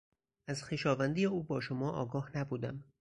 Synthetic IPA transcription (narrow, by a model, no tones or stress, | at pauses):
æzxeʃɒːvænd̪ijeuːbɒːʃomɒːʔɒ̰ːɡɒːhnæbuːd̪æm